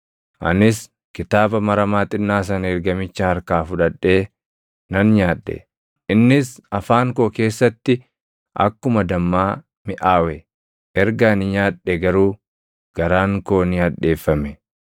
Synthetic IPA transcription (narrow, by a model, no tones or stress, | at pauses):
ʔɐ̰nɪs | kɪt̪aːbɐmɐɾɐmaːt̪ʼɪnːaːs̬ɐnɛɾɡɐmɪt͡ʃːɐhɐɾkaːfʊᶑɐɗːe̞ː | nɐnɲaːᶑːɛ̰ | ɪnːɪsɐfaːŋko̞ːke̞ːsːɐt̪ːɪ | ʔɐ̰kːʊmɐd̪ɐmːaː | mɪʔaːwɛ | ʔɛɾɡaːnɪɲaːᶑːɛɡɐɾuː | ɡ̥ɐɾaːŋko̞ːnɪaːᶑe̞ːfːɐmɛ